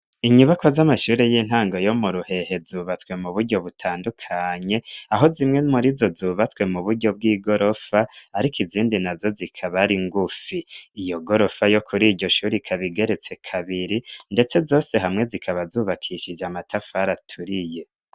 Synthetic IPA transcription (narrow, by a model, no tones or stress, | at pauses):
iɲuβakozamaʃuːɾe̞jin̥haːŋɡo̞jo̞muɾuhe̞he̞zuːβat͡swe̞muβuɾɟo̞βutʰaːndukʰaɲe̞aɦo̞zimŋe̞muɾizo̞zuːβat͡swe̞muβuɾɟo̞b̚ɡiːɡo̞ɾo̞faːɾikiziːndinazo̞zikʰaβaɾiŋɡufiːjo̞ɡo̞ɾo̞fajo̞kʰuɾiːɟɟo̞ʃuːɾikʰaβiɡe̞ɾe̞t͡se̞kʰaβiɾinde̞t͡se̞zo̞ːse̞ɦamŋe̞zikʰaβazuːβakʰiʃid͡ʒamatʰafaɾatʰuɾije̞